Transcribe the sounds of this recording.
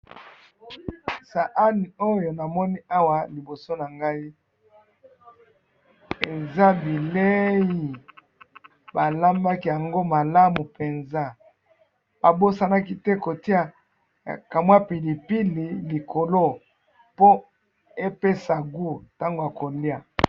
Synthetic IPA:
sa˨ʔa˦ni˨o˦jo˨na˨mɔ˦ni˦a˦wa˨li˨bo˨so˦na˨ŋɡa˦i˦ | e˨za˦bi˨le˦jji˨ | ba˨la˦mba˦ki˦ja˨ŋɡo˦ma˨la˦mu˨pe˨nza˦ | ba˨bo˦sa˦na˦ki˦tɛ˦ko˨ti˦a˨ | ka˨mwa˦pi˨li˨pi˦li˨li˨kʰo˨lo˦ | po˦ | e˦pe˦sa˨ɡu˦˨ta˦ŋɡo˨a˨ko˨li˦a˨

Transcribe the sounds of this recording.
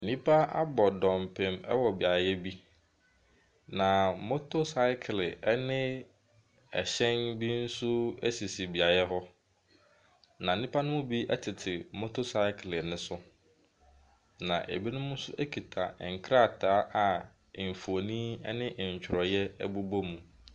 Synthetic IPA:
n̩˨nĩ˦pʰa˦a̰˦bɔ˨dɔ̃˨m˨pʰɛ̃˨mɛ˦wɔ˨bi˨a˨jɛ˦bi˦ | nã˨mo˦tʰo˦sa˦ɪ˦kʰɪ˨lɪ˨ɛ˦nɪ̃˦ | ɛ̰˨ɕɛ̃˦nbi˦n̩˦sʊ˦ɛ̰˦si˨si˨bi˨a˨jɛ˦ɦɔ˦ | nã˨n̩˨˦nĩ˦pʰa˦nʊ̃˦mʊ̃˦bi˦ʔɛ̰˦tʰɪ˨tʰɪ˨mo˦tʰo˦sa˦ɪ˦kʰlɪ˨nʊ̃˦sʊ˦ | nã˨ʔḛ˨bi˦nʊ̃˦mʊ̃˦sʊ˦ʔɛ˦kʰi˨tʰa̰˨ŋ̩˨kʰɾa˦˨tʰaː˨˦ʔa˨ | m̩˨fo˨nĩ˦ɛ˦nɪ̃˦ʔɲ̩˨t͡ɕʰᶣɾɔ˨jɛ˦ɛ˦bu˦bo˦mũ˨

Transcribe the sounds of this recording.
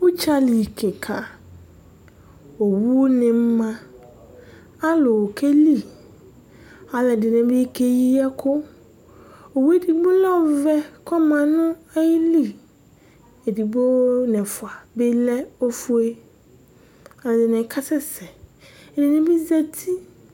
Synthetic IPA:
wʊ˦t͡ɕʰa˦li˨kʰe˨kʰa˨ | o˨wu˦nɪ̃˨m̩˦mã˦ | a˦lʊ˨wkʰɛ˦li˦˨ | a˨lɛ˨dɪ˨nɪ̃˨bɪ˦kʰe˦ji˦a˦kʰʊ˦ | o˨wu˦e˦di˨ɡ͡bʊ˦lɛ˦ɔ˨vɛ˦kʰɔ˦mã˨nʊ̃˦a˦jɪ˦li˦ | e˨di˨bo˦nɛ̃˨fʊ˨a˨bɪ˦lɛ˦o˦fu˦e˦ | a˨lɛ˨dɪ˨nɪ̃˨˦kʰa˦sɛ˦sɛ˨ɛ˨dɪ˨nɪ̃˦bi˦zɛ˦tʰi˦

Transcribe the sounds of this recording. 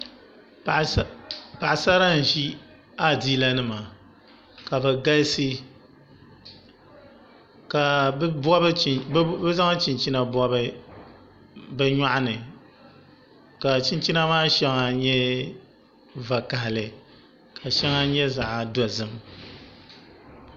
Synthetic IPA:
pa˨ʔa˨sa˦ɾa˦n̩˨ʒi˦ | a˦˨diː˦la˦nɨ˦ma˨ | ka˨bɛ˨ɡa˦lsɨ˦ | ka˨˦bɔ˦bbɛ˦za˦ŋa˦t͡ʃi˨nt͡ʃi˦na˨bɔ˦bɨ˦ | bɛ˦ɲa˦ʔa˦nɨ˨ | ka˨t͡ʃi˦nt͡ʃi˦na˦maː˦ʃɛ˦ŋa˨ɲɛ˦ | va˨ka˨hɪ˨lɨ˨ | kʰa˨ʃɛ˦ŋa˦ɲɛ˦za˨ʔa˨dɔ˨zɨ˨m

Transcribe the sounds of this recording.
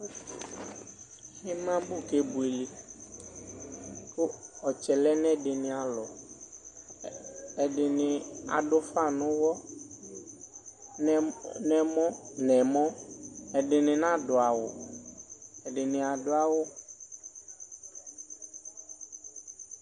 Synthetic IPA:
hɪ˦mã˦bu˦˨ke˦bu˨e˨lɪ˨ | kʊ˦ɔ˨t͡ʃɛ˨lɛ˦nɛ˦dɪ˨nɪ̃˨a˨lɔ˨ | ɛ˨dɪ˨nɪ̃˨a̰˨dʊ˦fa˦˨nʊ̃˦wɔ˦ | n˨nɛ̃˨mɔ̃˦nɛ̃˨mɔ̃˦ɛ˨ɖɪ˨nɪ̃˨nã˦dʊ˨a˨wʊ̰˨ | ɛ˨ɖɪ˨nɪ̃˨a˨dʊ˨˦a˨wʊ˦

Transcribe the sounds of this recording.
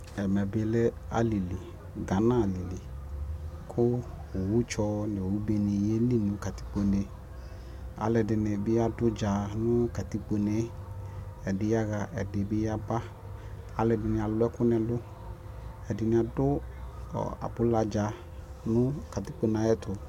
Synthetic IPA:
ɛ˨mɛ˨bɪ˨le˦a̰˨li˨li˨ | ɡa˨˦nã˦˨li˨li˨ | kʰʊ˦˨wu˦t͡ʃɔ˧nɪ˨wu˦be˨nɪ˨je˦li˦nʊ̃˨˦ka˨t̪i̥˦k͡po˨ne˨ | a̰˨lɛ˨dɪ˨nɪ˨bɪ˦a˦dʊ˦d͡ʒa˨nʊ̃˦ka˨t̪i˦k͡po˨ne˨ | ɛ˨dɪ˨ja˦ɣa˨ʔɛ˨dɪ˨bɪ˦ja˦ba˦ | a˨lɛ˨dɪ˨nɪ˨a˨lʊ˦ɛ˦kʊ˦nɛ˨lʊ˦ | ɛ˨dɪ˨nɪ̃˨˦a˨dʊ˦ɔ̰˨a̰˨bʊ˨˦la˨d͡ʒa˨ | nʊ̃˦ka˨ti˦k͡po˨na˨˦jɛ˦tʊ˨

